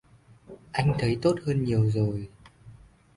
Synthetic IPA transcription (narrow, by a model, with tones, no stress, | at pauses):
ʔa˧jŋ̟t̪ʰə˨˦jt̪o˦˥t̚həː˧nɲi˨˩əwzo˨˩j